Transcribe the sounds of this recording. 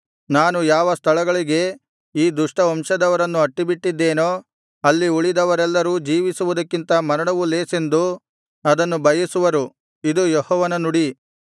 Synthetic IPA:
naːnujaːʋɐst̪ʰɐɭɐɡɐɭiɡe̞ | iːd̪uʂʈɐɔmʂɐd̪ɐʋɐɾɐnːuɐʈːibiʈːid̪ːeːnoː | ɐlːiuɭid̪ɐʋɐɾɛlːɐɾuːd͡ʒiːʋisuʋud̪ɐkːint̪ɐmɐɾɐɽɐʋuleːse̞nd̪u | ɐd̪ɐnːubʱɐjɐsuʋɐɾu | id̪ujɔhɔːʋɐnɐnuɽi

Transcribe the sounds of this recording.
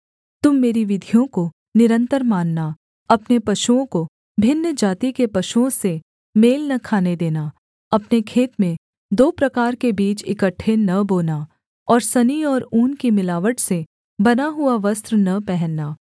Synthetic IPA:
t̪ʊmːeːɾiʋɪd̪ʱijõko | nɪɾə̃nt̪əɾmaːnːa | ɐpnepɐʃuõko | bʱɪnːəd͡ʒaːt̪ikepɐʃuõse | meːlnɐkʰaːned̪eːna | ɐpnekʰeːt̪mẽ | d̪oːpɾɐkaːɾkebiːt͡ʃɪkəʈʰːenɐboːna | ɔːɾsɐniɔːɾuːnkimɪlaːʋəʈse | bɐnaɦʊaʋɐst̪ɾnɐpɛɦɛnːaː

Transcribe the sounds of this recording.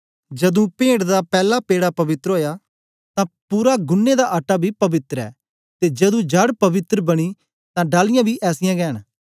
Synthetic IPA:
d͡ʒɐd̪ũpẽːɽd̪apɛːlapeːɽapɐʋɪt̪ɾoːjaː | t̪ãpuːɾaɡʊnːed̪aʔaʈːabʱiːpɐʋɪt̪ɾɛ̰ː | t̪ed͡ʒɐd̪ũːd͡ʒɐɽpɐʋɪt̪ɾəbɐɽ̃i | t̪ãːɖaːlɪjãːbʱiːʔɛːsɪjãːɡɛːn

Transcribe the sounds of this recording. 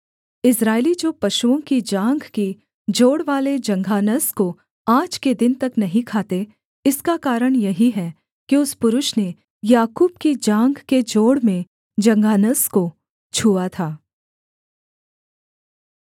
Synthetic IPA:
ɪsɾaːɪlid͡ʒoːpɐʃuõkid͡ʒãːŋɡki | d͡ʒoːɽʋaːled͡ʒɐ̃ŋɡʱaːnəsko | aːd͡ʒked̪ɪnt̪ɐknɐɦĩkʰaːt̪e | ɪskakaːɾəɽ̃jɐɦiɦɛ | kiʊspʊɾʊʃne | jaːkuːbkid͡ʒãːŋɡked͡ʒoːɽmẽ | d͡ʒɐ̃ŋɡʱaːnəsko | t͡ʃʰuːat̪ʰaː

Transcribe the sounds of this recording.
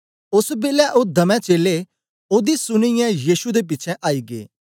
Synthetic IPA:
ʊsbeːlɛʔoːd̪ɐmɛ̃ːt͡ʃeːleː | oːd̪iːsʊnɪjɛ̃jiːʃud̪eːp̬ɪːt͡ʃʰɛ̃ʔaːiːɡḛː

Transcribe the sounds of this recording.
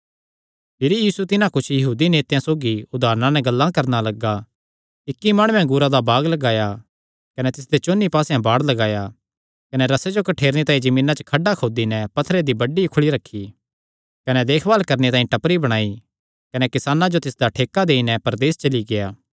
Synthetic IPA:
pʰɪɾijiːsut̪ɪnãkʊt͡ʃʰjɐɦuːd̪ineːt̪jãsoːɡiʊd̪ʱaːɾnãnɛɡɐlːãkɐɾnalɐɡa | ɪkːimaːɽ̃ʊ̃ːɛ̃ɡʊɾad̪abaːɡlɐɡaːja | kɐnɛt̪ɪs̬d̪et͡ʃoːnːipaːsɛ̃baːɽlɐɡaːja | kɐnɛɾɐsed͡ʒokɐʈʰeːɾnet̪aːĩd͡ʒɐmiːnat͡ʃə̥kʰɐɖːakʰoːd̪inɛpɐt̪ʰːɾed̪ibɐɖikʰʊɭiɾɐkʰːi | kɐnɛd̪eːkʰbaːlkɐɾnet̪aːĩʈɐpɾibɐɽ̃aːi | kɐnɛkɪsaːnãd͡ʒot̪ɪsd̪aʈʰeːkːad̪eːinɛpɐɾd̪eːst͡ʃɐliɡejaː

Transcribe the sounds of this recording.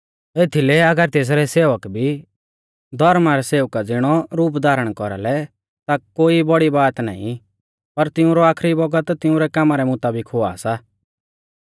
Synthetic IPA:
eːt̪ʰilɛɐɡəɾt̪eːs̬ɾɛseːʋəkbʱi | d̪ʱɔɾmaɾɛseːʋkad͡zɪɽ̃ɔɾuːpd̪ʱaːɾəɽ̃kɔɾa̰lɛ | t̪akoːibɔɽibaːt̪na̰ːḭ̃ | pɐɾt̪ɪʊ̃ɾɔaːkʰɾibɔɡət̪t̪ɪʊ̃ɾɛkamaɾɛmʊt̪aːbɪkɦʊa̰ːsa

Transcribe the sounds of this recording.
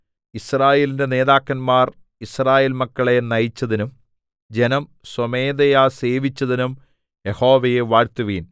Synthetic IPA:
israːjeːlinde̞ne̞ːðaːkːɐnmaːr | israːje̞ːlmɐkːɐɭe̞nɐjit͡ɕːɐðinum | d͡ʑenɐm | some̞ːd̪ejase̞ːʋit͡ɕːɐðinum | jeho̞ːʋɐjeʋaːɻt̪uʋiːn

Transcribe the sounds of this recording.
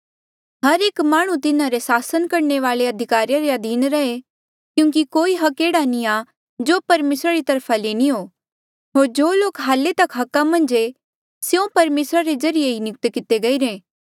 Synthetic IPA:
ɦɐɾeːkmaːɽ̃ũt̪ɪnãɾesaːsənkɐɾneʋaːleɐd̪ʱɪkaːɾijaɾeɐd̪ʱiːnɾɐɦe | kjũːŋkikoːiɦɐkeːɽanĩa | d͡ʒoːpɐɾmeːsɾaɾit̪ɐɾpʰaleːniɦoː | ɦoːɾd͡ʒoːloːkɦaːlet̪ɐkɦɐkːamɐ̃nd͡ʒe | sjõpɐɾmeːsɾaɾed͡ʒɐɾɪjeɦinɪk̚t̪kɪt̪eɡɐiɾẽː

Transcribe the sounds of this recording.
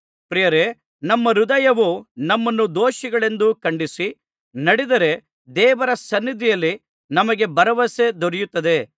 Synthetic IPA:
pɾijɐɾe | nɐmːɐɾud̪ɐjɐʋunɐmːɐnːud̪oːʃiɡɐɭe̞nd̪ukɐɳɖisi | nɐɽid̪ɐɾe̞ | d̪ɛːʋɐɾɐsɐnːid̪ʱijɐlːi | nɐmɐɡe̞bɐɾɐʋɐse̞d̪ɔɾijut̪ːɐd̪e̞

